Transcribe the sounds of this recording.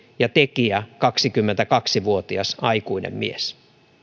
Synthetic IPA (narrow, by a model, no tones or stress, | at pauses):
jɑt̪ekiækɑksikymːent̪ækɑksiʋuot̪iɑsɑikuinḛmmies